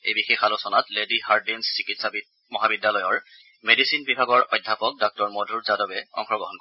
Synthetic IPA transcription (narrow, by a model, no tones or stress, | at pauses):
ḛjbixexalosɔnatledihaɹdinssikitsa | mɔɦabidːalɔjɔɹ | medisinbibʱaɡɔɹɔjdʱːapɔk̚dɔk̚tɔɹmodʱuɹzadɔbɛɔ̰ŋxɔɡɹɔɦɔnk